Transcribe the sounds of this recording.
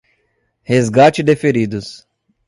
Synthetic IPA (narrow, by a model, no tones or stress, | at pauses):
hezɡat͡ʃɪd̪efeɾid̪ʊs